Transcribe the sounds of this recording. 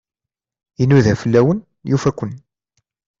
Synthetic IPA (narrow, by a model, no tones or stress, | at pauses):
inːuðæfəlːæwən | jufækʷːən